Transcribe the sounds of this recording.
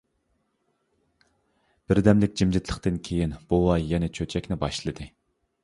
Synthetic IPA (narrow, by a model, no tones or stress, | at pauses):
b̥ɪɾd̪ɛmlɪk̚ʲd͡ʒimd͡ʒɪt̪ʰlˠəqt̪ɨnkʲʰejinb̥oɑjɛnɛt͡ʃʰøt͡ʃʰɛkʲnɪbɑʃlˠɨd̪ɨ